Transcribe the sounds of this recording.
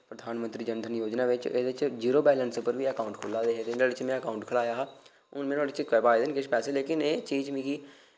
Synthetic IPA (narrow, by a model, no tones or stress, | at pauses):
pɾəd̪ʱaːnmənt̪ɾiːd͡ʒənd̪ʱənjoːd͡ʒnaːʋɪt͡ʃeːd̪ɪt͡ʃd͡ʒiːɾoːbɛːlənsʊpəɾʋiːəkaːʊ̃ɳʈkʰʊlaːd̪eːɦeːt̪ɪnaːɽɪt͡ʃmɛ̃ːəkaːʊɳʈkʰəlaːjaːɦaː | ʊnmɛ̃ːnaːɽɪt͡ʃkɛːpaːed̪ɪnkɪʃpɛːseːleːkɪneːt͡ʃiːd͡ʒmĩːkiː